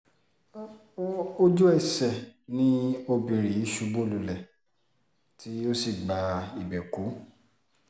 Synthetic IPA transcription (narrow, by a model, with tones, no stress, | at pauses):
o˦d͡ʒu˦ɛ˦˨sɛ˨nĩ˦o˧bĩ˧ɾi˨i˨˦ʃu˧˦bo˦lu˧˨lɛ˨ | tʰi˦o˦si˦˨ɡ͡ba˨i˨bɛ˨ku˨˦